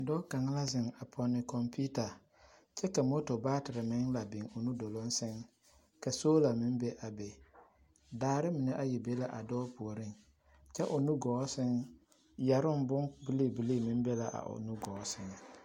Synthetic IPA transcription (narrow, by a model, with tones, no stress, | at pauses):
dɔː˦ka˨ŋɪ˦la˦zɪ˨ŋa˨pʰɔ˨nɪ˨kɔ˨mpi˦ta˨ | t͡ʃɛ˦ka˨mo˦to˨baː˦tɪ˨ɾɪ˨mɪ˦ŋla˨bɪ˨ŋo˨nu˦do˨lʊ˦n˦sɪ˦ŋ | ka˨soː˦la˨mɪ˦nbe˦ʔa˨be˨ | daː˨˦ɾɪ˦mɪ˨nɛ˦ʔa˦ji˨be˦la˦ʔa˨dɔː˦pu˨o˨ɾɪ˦ŋ | t͡ʃɛ˦ʔʊ˨nu˦ɡɔː˨˦sɪ˦ŋ | ja˨ɾʊ˦bʊ˦ŋbɨ˦le˦˨bi˦le˦˨mɪ˦n˦be˦la˨ʔa̰˨ʔo̰˨nu˦ɡɔː˨˦sɪ˨ŋ˨